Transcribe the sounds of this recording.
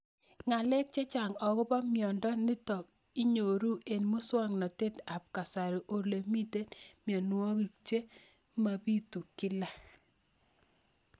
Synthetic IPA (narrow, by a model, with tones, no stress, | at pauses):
ŋa˨lɛ˦k̚t͡ʃe˦t͡ʃa˨ŋɔ˨kʊ˦pa˦mjɔ˨ndɔ˦nɪ˦tɔ˨k̚ | i˦ɲo˨ɾu˦ʔe˨nmu˦swɔ˦ŋnɔ˨te˦ta˨p̚ka˨sa˨ɾi˨ʔo˨le˨mi˦te˦nmjɔ˨n˦wɔ˦ki˨k̚t͡ʃe˦ | ma˨pi˦tu˨kɪ˦la˦